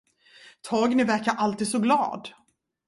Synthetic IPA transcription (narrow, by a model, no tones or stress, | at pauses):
t̪ʰɑːɡnɪvæɾkaɾʔalt̪iːd̪sɔɡlɑ̰ːd̪